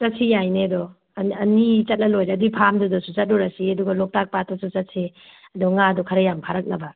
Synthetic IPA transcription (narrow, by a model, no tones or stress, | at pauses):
t͡ʃɐt̚sʰijajneɐdɔ | ɐnit͡ʃɐt̚lɐlojɾeɐduipʰamdudɔsut͡ʃɐt̚ɾɔɾasiɐduɡɐlɔk̚tak̚patɔsut͡ʃɐt̚sʰi | ɐdɔŋadɔkʰɐɾɐjampʰaɾɐk̚nɐbɐ